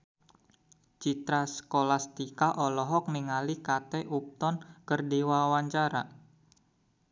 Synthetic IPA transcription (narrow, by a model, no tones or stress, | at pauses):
t͡ʃit̪ɾasə̥kolast̪ikaʔɔlɔɦɔk̚niŋalikat̪ɛʔup̚t̪ɔnkərdiwawaɲt͡ʃaɾa̰